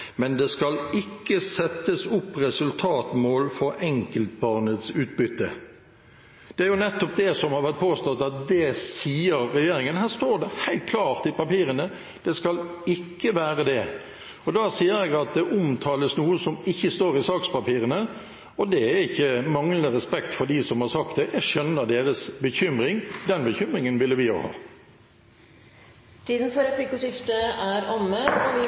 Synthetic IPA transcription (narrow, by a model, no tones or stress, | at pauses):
mɛnd̪ɛskɑlɪkːəsɛt̪ːəsʊpːɾɛsʉlt̪ʰɑːt̪moːlfɔɾɛŋkəlt̪̚bɑːʁnət̪sʉːt̪̚bʏt̪ːə | d̪̥ɛæɾjʊnɛt̪ːɔpd̪ɛsɔmhɑɾʋæʁt̪̚pʰoːst̪ɔt̪ːɑt̪̚d̪ɛsiːəɾːɛjeːɾɪŋənhæːɾst̪oːɾd̪ɛhæɪlt̪̚kʰlɑːɾt̪ɪpɑpiːɾənə | d̪̥ɛskɑlɪkːəʋæːɾəd̪ɛ | ɔd̪ɑːsiːəɾɛɡɑt̪̚d̪ɛʔʊmt̪ʰɑːləsnuːəsɔmɪçːəst̪oːɾɪsɑːkspɑpiːɾənə | ɔd̪ɛæɾɪçːəmɑŋlənəɾɛspɛkt̪fɔɾɖ̪iːsɔmhɑɾsɑk̚t̪d̪ɛʔæɡʃʂœnːəɾd̪eːɾəsbəçʏmɾɪŋd̪ɛnbəçʏmɾɪŋənʋɪlːəʋɪjo̰ːhɑ̰ː | t̪ʰiːd̪n̩sɔɾɛplɪkɔsɪft̪əæɾɔmːəɔʋɪ